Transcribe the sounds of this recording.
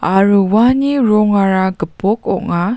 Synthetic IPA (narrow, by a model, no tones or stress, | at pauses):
aɾuwaniɾɔŋaɾaɡəpɔkɔʔŋa